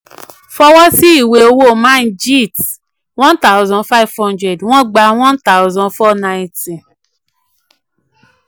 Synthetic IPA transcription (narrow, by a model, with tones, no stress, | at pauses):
fɔ˦wɔ˦si˦i˦˨we˧o˧wo˦˨mã˦n̩˦d͡ʒi˦˨t | wɔ̃˦nta˦ʊzɔ̃˧nfa˦i˨vhɔ̃˦ndɾɛ˨dw̃ɔ̃˦ɡ͡ba˧w̃ɔ̃˦nta˦wzɔ̃˨nfɔ˦na˧i˨ti˨